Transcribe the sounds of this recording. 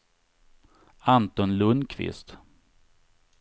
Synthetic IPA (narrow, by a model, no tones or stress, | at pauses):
ant̪ɔnlɵnkʰvɪ̰st̪